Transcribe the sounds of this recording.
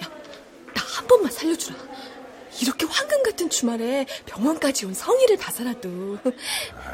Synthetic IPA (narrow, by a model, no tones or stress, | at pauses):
ja | nahambʌnmansʰaʎːʌd͡ʑuɾa | iɾʌkʰe̞ɸwanɡɯnɡatʰɯnt͡ɕumaɾe̞pjʌŋwʌnk͈ad͡ʑionsʰʌŋiɾɯɭpasaɾado